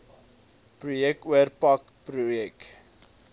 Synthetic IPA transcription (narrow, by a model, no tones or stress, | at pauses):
prujɛk̚tuərpɐk | prujɛk